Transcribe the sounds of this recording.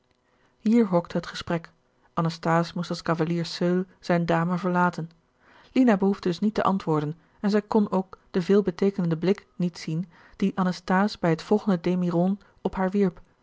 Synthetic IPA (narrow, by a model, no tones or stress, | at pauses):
ɦiːɹɦɔktɦətχə̥sprɛk | ʔɑnəstaːsmustɑskɑvaliːɹsøl | z̥ɛjndaːməvəɹlaːtən | linabəɦuvdədɵsnitə̰ʔɑntʋʊːɹdən | ɛnzɛjkɔnowkd̥əvɪːlˠbətejkənəndəblɪknitsin | d̥iʔɑnəstaːsbɛjɦətfɔlˠχəndədemirɔn | ɔpɦaːɹʋiɹp